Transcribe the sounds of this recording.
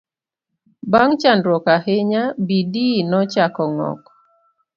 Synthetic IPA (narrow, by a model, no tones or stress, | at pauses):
baŋt͡ʃandɾwɔkahɪɲabidinɔt͡ʃakɔŋɔ̰k